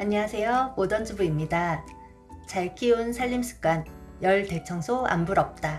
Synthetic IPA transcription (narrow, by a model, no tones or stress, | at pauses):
aɲʌwasʰe̞joodʌnd͡ʑɯbuimɲida | t͡ɕaɭkʰiunsʰaʎːimsʰɯ̥k͈an | jʌɭte̞t͡ɕʰʌŋsʰoa̰mbuɾʌp̚t͈a